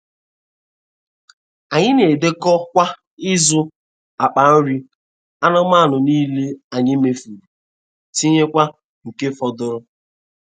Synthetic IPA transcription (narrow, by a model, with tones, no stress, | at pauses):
a˨ɲɪ˦ne˨de˦kɔ˦kʷa˦ | ɪ˦zʊ˦ | a˨k͡pa˨n̩˦ɾi˦ | a˦nɔ˦ma˦˨nʊ˨niː˦le˦a˨ɲɪ˦me˨fu˨ɾu˨ | ti˦ɲe˦kʷa˦ | ŋ̩˨ke˦fɔ˨dʊ˦ɾʊ˦